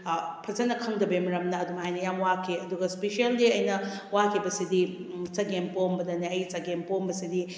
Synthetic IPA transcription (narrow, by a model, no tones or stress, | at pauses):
pʰɐzɐnɐkʰɐŋdɐbemɐɾɐmnɐːduŋɦajnɐjamwakʰiɐduɡɐspeʃialdiɐjnɐ | wakʰibɐsidit͡ʃɐɡempombɐdɐniɐjt͡ʃɐɡempombɐsidi